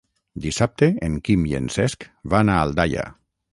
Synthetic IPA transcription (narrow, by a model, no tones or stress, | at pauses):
d̪isap̚t̪eeŋkimjḛnsɛskβanaːld̪aʎa̰